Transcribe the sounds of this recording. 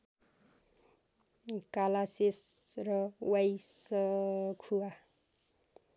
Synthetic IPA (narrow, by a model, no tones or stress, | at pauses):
kalasesrʌwajsʌkʰuwa